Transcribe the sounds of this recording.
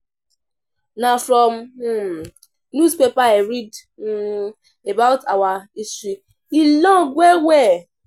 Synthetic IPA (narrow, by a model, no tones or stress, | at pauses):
nafɾɔm | nuspepaeɾid | n̩ | ebaʊtawaisti | ilɔ̃ɡʷewɛ